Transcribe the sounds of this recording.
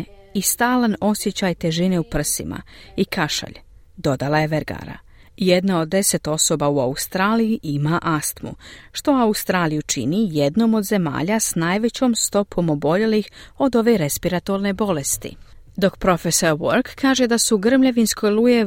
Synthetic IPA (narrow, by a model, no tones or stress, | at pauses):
ist̪aːlano̞sjet͡ɕajt̪e̞ʒine̞upr̩sḭma̰ikʰaʃa̰ʎ | d̪o̞d̪alˠaje̞ʋeɾɡa̰ːɾa̰ | jed̪nao̞d̪ːe̞se̞t̪o̞so̞bauaust̪ɾaːlijiʔimaʔast̪mṵʃt̪o̞aust̪ɾaːlijut͡ʃḭnije̞d̪no̞mo̞d̪ze̞ma̰ːʎasnaːjʋe̞t͡ɕo̞ːmst̪o̞pʰo̞mo̞bo̞ʎe̞lixo̞d̪o̞ʋe̞ɾe̞spiɾat̪o̞ɾne̞bo̞le̞st̪ḭd̪o̞kpɾo̞feso̞ɾwoɾkkːaːʒe̞d̪asuɡr̩mʎeʋinsko̞jlˠuje